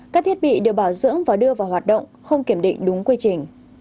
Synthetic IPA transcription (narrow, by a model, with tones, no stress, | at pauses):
kaː˦˥k̚t̪ʰi˦˥t̚ɓḭ˧˨ɗɨ˨˩ək̚ɓaː˧˩wzɨ̰˧˥əŋvaː˨˩ɗɨ˧əvaː˨˩wɦwaː˨˩t̚ɗə̰˧˨wŋ͡mxə˧wŋ͡mki˧˩əmɗḭ̈˧˨ŋ̟ɗʊ˨˦ŋ͡mkwi˧t͡ɕï˨˩ŋ̟